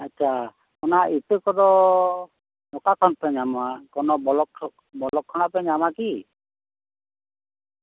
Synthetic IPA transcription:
atːt͡ʃʰa | ɔnait̪əkɔd̪ɔ | nɔkakʰɔnpɛɲamakɔnɔbɔlɔk | bɔlɔkʰːɔñapɛɲamaki

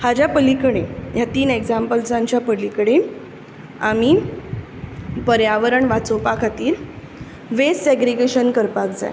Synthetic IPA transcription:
had͡ʑjapəlikɽejat̪iːneɡd͡zampəlsaɲt͡ɕjapəlikɽe | a̰mi | pəɾjaʋəɾəɳʋat͡sopakʰat̪iːɾ | ʋeseɡɾiɡeɕənkəɾpak̚d͡za̰j

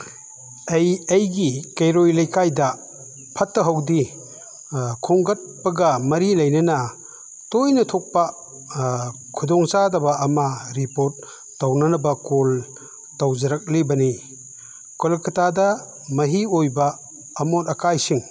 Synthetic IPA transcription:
ejejɡikejɾojlɐjkajdɐ | pʰɐtːɐɦɐwdi | kʰuŋɡɐt̚pɐɡɐmɐɾilɐjnɐnɐ | tojnɐtʰok̚pɐ | kʰudɔŋsadɐbɐɐmɐɾipoɾt̚ː | ɐwnɐnɐbɐkol | tɐwzɐɾɐk̚libɐni | kolɐkʰɐtadɐ | mɐɦiojbɐː | motɐkajsiŋ

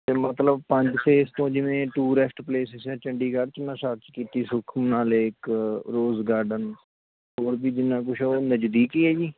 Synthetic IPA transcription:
t̪eːmət̪ləb̚pə̃ɲd͡ʒpʰeːst̪õːd͡ʒɪʋẽːʈuːɾɛsʈpleːsɪsɛːt͡ʃəɳɖiːkəɖt͡ʃɪnːãːʃəɾt͡ʃkiːt̪iːsʊkʰəmnaːleːɪkɾoːzɡaːɾɖən | ɦoːɾbiːd͡ʒɪnːãːk̬ʊʃʰoːnəd͡ʒd̪iːkiːɛːd͡ʒiː

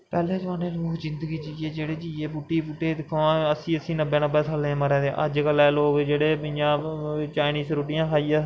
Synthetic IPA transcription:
pɛːlẽːd͡ʒãːneːluːd͡ʒɪ̃nd̪əɡiːd͡ʒiːeːd͡ʒeːɽeːd͡ʒiːeːbuːʈːiːbuːʈːeːd̪ɪkʰoãːəsĩːəsĩːnəbːẽːnəbeːsʰaːlẽːməɾɛ̃ːd̪eʔə̰d͡ʒkəlɛːloːʋed͡ʒeːɽeːbɪ̃jãːt͡ʃaːɪniːsɾuːʈɪjãːkʰaːiːaː

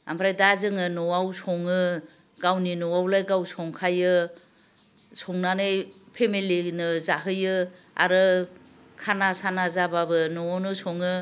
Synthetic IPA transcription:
a̰mpʰɾajdazɯŋɯnɔwawsʰɔŋɯ | ɡawninɔwawlajɡawsʰɔŋkʰajɯ | sʰɔŋnanɯj | pʰemelinɯzaɦɯjɯ | a̰ɾɯ | kʰanasanazababɯnɔwanɯsɔŋɯ

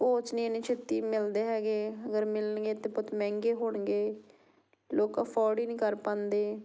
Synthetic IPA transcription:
poːt͡ʃnĩːnĩːt͡ʃʰet̪iːmɪld̪eːɦɛːɡeːəɡəɾmɪləɳɡeːt̪ẽːpʊt̪mɛ̃ːŋɡeːɦoːɳɡeː | loːkãːpʰɔːɽiːnĩːkəɾpãːnd̪eː

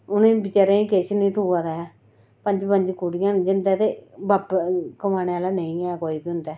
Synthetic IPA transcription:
ʊnẽːbɪt͡ʃaːɾeĩkeːʃnĩːt̪ʰuːaːd̪a | pə̃ɲd͡ʒpə̃ɲd͡ʒkuɽijãːnd͡ʒɪnd̪ɛːt̪eːbapkəmaːneaːlaːnəĩɛːkoːiːbiːɦʊ̃nd̪ɛː

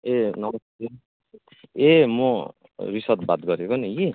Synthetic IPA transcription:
enʌmʌst̪e | emo | risʌt̪̚bat̪ɡʌɾekoneji

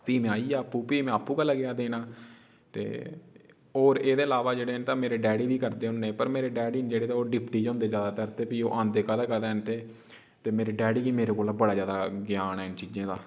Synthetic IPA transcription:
piːmẽːaːiːaːpːuːpiːmẽaːpːũːkəlːaɡɪjaːd̪eːnaː | t̪ḛː | oːɾeːd̪eːəlaːʋaːd͡ʒeːɽeːnt̪ãːmeːɾeːɖɛːɽiːbiːkəɾd̪eːɦʊ̃neːpəɾmeːɾeːɖɛːɖiːnd͡ʒeːɽeːt̪eoːɖɪpʈiːd͡ʒõːnd̪eːzjaːd̪aːt̪əɾt̪eːpiːo̰ːʔãːnd̪eːkad̪aːkəɾd̪eːɦnt̪eː | t̪eːmeːɾiːɖɛːɽiːkiːmeːɾeːkoːlaːbəɽaːzjaːd̪aːɡɪjaːnɛːɪnt͡ʃiːd͡ʒẽːd̪aː

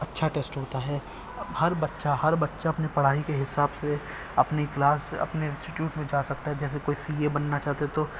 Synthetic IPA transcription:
ɐtːʃʰaʈeːsʈɦoːt̪aɦɛː | hɐɾbɐtːʃahɐɾbɐtːʃaɐpnipɐɽ̤aːɦikeɦɪsaːbse | ɐpniklaːsɐ̰pneɪ̃nsʈɪʈjuːʈmẽd͡ʒaːsɐk̚t̪aɦɛd͡ʒɛːs̬ekoːisiːebɐnːat͡ʃaːɦt̪et̪o

